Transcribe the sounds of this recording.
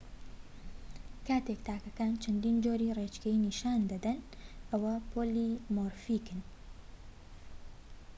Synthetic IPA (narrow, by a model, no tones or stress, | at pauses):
kaːt̪ekt̪ʰaːkɐkaːnt͡ʃʰɐnd̪iːnd͡ʒoːɾiːret͡ʃkɐiniːʃaːnd̪ɐd̪ɐnʔɐwɐpʰoːliːmoːɾfiːkɨn